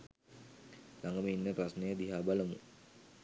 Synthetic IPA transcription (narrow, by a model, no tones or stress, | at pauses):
laŋɡəminːəprasnəjəd̪iɦaːbaləmu